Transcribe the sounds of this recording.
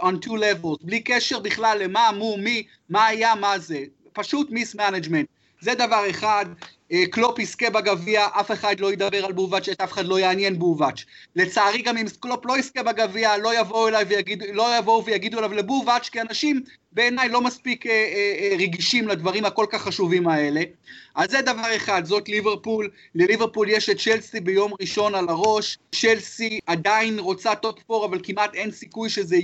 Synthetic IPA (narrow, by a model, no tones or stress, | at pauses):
ontʰulevelzblikeʃeʁbiχlalːe̞mamumi | maːjamaze | paʃut̪mismanad͡ʒme̞nt̪̚ | ze̞d̪avaʁe̞χad̪ | eklopiskebaɡaviaʔafe̞χad̪lo̞jed̪abe̞ʁalbuvat͡ʃet̪afe̥χadlo̞jeːnjenbuvat͡ʃle̞t͡saːʁiɡamimskloplo̞iskebaɡavialo̞javo̞uelajvejaɡidulo̞javo̞uvejaɡiduelavlebuvat͡ʃkianaʃim | be̞ːnajlo̞maspikeʁeɡiʃimlad̪vaʁimhako̞lkaχːaʃuvimae̞le̞azzed̪avaʁe̞χadzo̞tliveʁpulː | eliveʁpuljeʃet̚t͡ʃelsibejo̞mʁiʃo̞nalaʁo̞ʃt͡ʃelsiadainʁo̞t͡sat̪o̞pfo̞ʁavalkimʔate̞nsikujʃeze